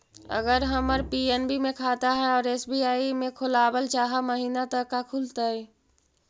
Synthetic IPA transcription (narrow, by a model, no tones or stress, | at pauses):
ɐ̰ɡəɾɦɐməɾpiːenbimẽkʰaːt̪aɦɛɔːɾeːsbijaːimẽkʰʊlaːbəlt͡ʃaːɦaməɦiːnat̪əkːakʰʊlt̪aɦɛː